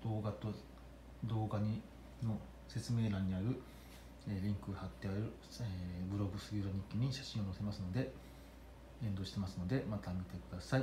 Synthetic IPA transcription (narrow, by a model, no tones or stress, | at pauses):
d̪oːɡat̪o | d̪o̞ːɡaɲ̟i | no̞ | se̞t͡sɨme̞ːɾãɲ̟ːiaɾɯ̟ | eɾʲĩŋkɯ̟hat̪ːeaeɾɯ̟ | bɯ̟ɾo̞ɡɯ̟sɨɡʲiɾoɲ̟ikʲːiɲ̟iɕḁɕĩɰ̃o̞no̞se̞masɨno̞d̪e̞ | ẽ̞nd̪o̞ːɕi̥t̪e̞masɨno̞d̪e̞mat̪amʲit̪e̞kɯd̪asai